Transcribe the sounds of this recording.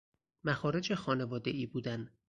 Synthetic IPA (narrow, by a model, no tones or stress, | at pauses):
mæxɒːɾe̞d͡ʒexɒːne̞vɒːd̪e̞ʔiːbuːd̪æn